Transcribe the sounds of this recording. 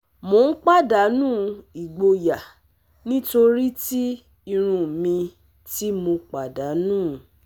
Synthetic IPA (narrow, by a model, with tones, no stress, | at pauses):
mo˧˦n̩˦k͡pa˦˨da˨˦nũː˦˨i˨ɡ͡bo˧ja˨ | nĩ˦to˧ɾi˦ti˦ | i˧ɾ̃ũ˧mĩ˧ | ti˦mo˧k͡pa˨da˨˦nũː˦˨